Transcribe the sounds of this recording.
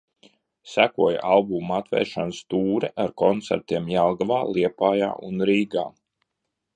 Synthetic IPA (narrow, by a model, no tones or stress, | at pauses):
sækuɔj̰ʔalˠbumat̪vɛ̰ːɾʃanst̪uːɾɛʔaɾkɔnt̪sæ̰ɾt̪iɛmjalˠɡavaːlˠiɛpaːja̰ːʔunɾiːɡa̰ː